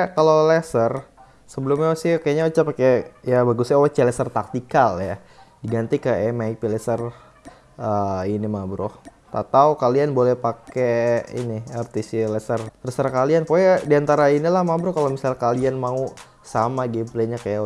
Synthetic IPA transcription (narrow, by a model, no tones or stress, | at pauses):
akalolɛsər | səbəlʊmɲasɪhkajaɲaut͡ʃapakajabaɡusɲawɛt͡ʃɛlɛsərt̪ak̚t̪ikalja | diɡant̪ikaɛmaik̚pilɛsər | əinimabɾʊh | t̪a̰t̪aukalianbolɛhpakeḭnɪɛrt̪isilɛsərlɛsəɾkalianpojadiant̪aɾainilahmabɾʊhkalomisalkalianmau | samaɡimpleɲakaja